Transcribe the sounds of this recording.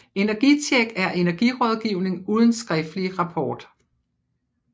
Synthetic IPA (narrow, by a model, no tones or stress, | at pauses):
e̝næɐɡ̥it͡ɕʰeɡ̥æɐʔe̝næɐɡ̥iʁɒ̽ð̞ˠɡ̥iʊne̝ŋuːð̞ˠən̩sɡ̥ʁɛfd̥liʁɑ̈pʰɒːd̥